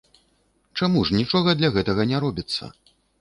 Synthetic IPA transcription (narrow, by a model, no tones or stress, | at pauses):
t͡ʂamuʐnʲit͡ʂɔɣɐd̪lʲɐɣɛt̪ɐɣɐnʲɛɾɔbʲit̪sːɐ̰